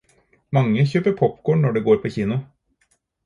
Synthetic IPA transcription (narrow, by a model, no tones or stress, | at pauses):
mɑŋːəçøːpəpʰɔpːkʰoːɳɳɔɖɛːɡoːɾpʰoːçiːnʊ